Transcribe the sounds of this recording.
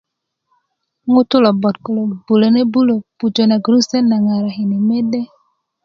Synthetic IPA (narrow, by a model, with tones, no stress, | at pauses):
ŋʊ˦tʊ˦lɔ˨bɔ˨tko˨lo˨ɡbu˨lo˨ne˦bu˦lo˨pu˨d͡ʒo˨na˨ɡɾu˦sɛ˦nna˨ŋa˨ɾa˨ɦi˨ni˨me˦de˦